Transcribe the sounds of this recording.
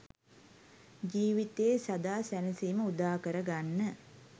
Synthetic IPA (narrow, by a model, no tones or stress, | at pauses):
d͡ʒiːʋit̪eːsad̪aːsænəsiːməud̪aːkəɾəɡanːə